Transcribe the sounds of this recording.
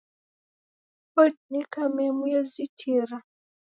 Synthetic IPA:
pɔdnikamɛmujazitʰiɾa

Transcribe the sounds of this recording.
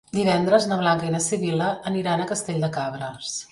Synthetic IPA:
d̪iβ̞ɛnd̪ɾəznəβlaŋkəinəsiβiləːniɾanəkəst̪eʎʲd̪əkaβɾəs

